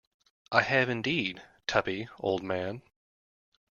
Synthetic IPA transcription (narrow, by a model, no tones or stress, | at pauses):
ʔaɪɨvɨ̃ndid̚tʰʌpio̰ʊlˠd̚mæ̃n